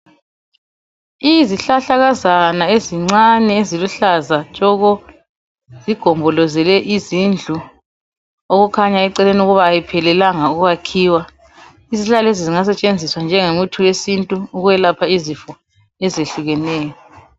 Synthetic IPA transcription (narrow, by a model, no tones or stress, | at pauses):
iziɬaɬaɣazanaeziŋ͡ǀanɛeziluɬazat͡ʃʼɔɣɔ | z̥iɡ̥ʱɔmbʱɔlɔzɛlɛʔizind͡ɮʱu | oɣukʰaɲaɛǀɛlenuɣuβaːjipʰɛlɛlaŋauɣuɣakʰiːwa | iziɬaleziziŋas̬ɛt͡ʃʼend͡zʱiswand͡ʒʱɛŋemutʰuwesintʼuːɣuwɛlapʰaizifɔ | ɛzeɬuɣɛnɛːjɔ